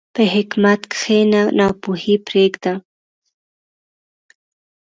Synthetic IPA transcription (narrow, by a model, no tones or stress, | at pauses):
pəɦɪkmat̪kxenanɑpuhipɾekd̪a